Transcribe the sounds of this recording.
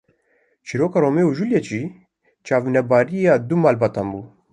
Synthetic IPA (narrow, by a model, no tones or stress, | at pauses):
t͡ʃʰiːɾoːkɑːɾoːmeːuʒuljɛt͡ʃiː | t͡ʃɑːvinɛbaːɾijɑːd̪umaːlbɑːt̪ɑːnbuː